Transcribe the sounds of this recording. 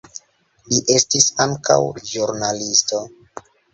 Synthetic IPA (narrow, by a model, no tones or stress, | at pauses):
liʔe̞stisaŋka̰wʒuɾnalisto̞